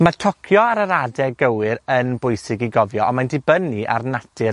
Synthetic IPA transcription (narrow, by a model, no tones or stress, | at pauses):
matʰɔkʰjɔaɾəɾadɛɡəwɨɾənbʊjsɪɡiɡɔvjɔɔnmandɪbəniʔa̰rnatʰɨ